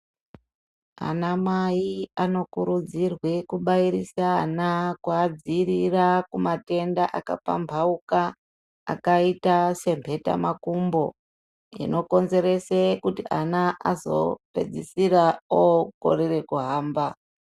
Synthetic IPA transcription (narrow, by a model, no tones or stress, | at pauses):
a̰namajiano̞kuɾud͡zirwe̞kuɓaiɾisanakwaːd͡ziɾirakumate̞ndaʔaka̰pa̰mbʱauka̰ː | kaitase̞mpʰe̞ta̰makumbo̞ | ḭno̞ko̞nze̞ɾe̞sekutiʔanaʔazo̞̰pe̞̰d͡zisiɾaoko̞̰ɾere̞kuɦaːmba